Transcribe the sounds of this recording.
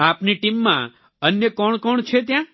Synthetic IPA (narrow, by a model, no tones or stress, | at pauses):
apniʈimːã̰ | ənjəkɔɳkɔɳt͡ʃʰet̪̬jã